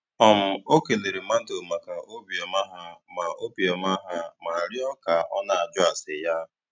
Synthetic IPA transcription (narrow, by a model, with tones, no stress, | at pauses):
ɔ˨m̩˨o˦ke˨ne˨ɾi˨ma˦n̩˦do˨ma˨ka˨ʔo˦bi˨ɔ˨ma˦ɦa˦ma˨o˦bi˨ɔ˨m˦a˦ɦa˦ma˨ɾjɔ˦ka˨ɔ̰˦na˨a˨d͡ʒʊ˦a˨sɪ˨ja˦